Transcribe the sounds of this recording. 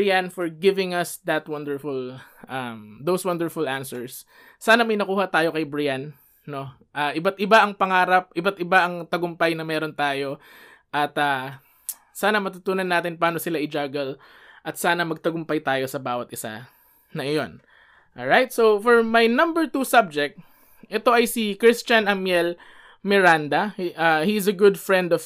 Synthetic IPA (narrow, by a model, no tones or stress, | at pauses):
ɪjanfɔɹɡɪvɪŋɐsd̪ɐt̪wɐnd̪ɛɹfʊlʔɐmd̪owswɐ̃nd̪ɛɹfʊlʔansɛɹsː | aːnɐmɐjnɐkuːhɐt̪aːjo̞kɐjbɹɪjanː | o̞ | ʔaːʔɪbat̪ʔɪbaʔɐŋpɐŋaːɾɐp̚ʔɪbat̪ɪbaʔɐŋt̪ɐɡʊmpɐjnɐmɛːɾont̪aːjo̞ʔɐt̪ɐ | saːnɐmɐt̪ut̪uːnɐnːaːt̪ɪnpaːno̞sɪlaʔɪd͡ʒaːɡɐl | ʔɐt̪saːnɐmɐɡ̚t̪ɐɡʊmpɐjt̪aːjo̞sɐbaːwɐt̪ʔɪsa̰ | nɐɐjon | ʔolɹajt̪̚sowfɔɹmɐjnɐ̃mbɛɹt̪usab̚d͡ʒɛk̚t̪̚ | ʔɛt̪o̞ʔɐjsikɹist͡ʃɐnʔɐmjɛl | mɛɹand̪ɐʔahiɪzɐɡʊd̪fɹɛnd̪ɔv